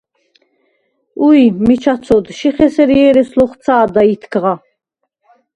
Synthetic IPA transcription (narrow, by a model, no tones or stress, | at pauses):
ujmit͡ʃʰat͡sʰɔd̪ʃiχɛsɛɾiɛɾɛslɔχt͡sʰaːd̪ait̪ʰkʰʁa